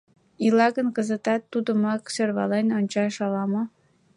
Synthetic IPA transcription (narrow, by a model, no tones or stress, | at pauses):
ilɑɣənkəzə̆t̪ɑt̪ːud̪ə̆mɑksørβɑlenonʲt͡ɕɑʃɑlɑmŏ